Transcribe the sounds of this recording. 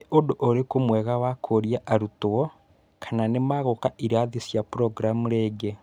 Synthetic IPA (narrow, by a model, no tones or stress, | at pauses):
odoʔoɾekomweːɣawakʰoɾiaʔaɾutuwo | kʰḁnanemaɣokaʔiɾaðisjapuɾoɡɾamuɾeɡe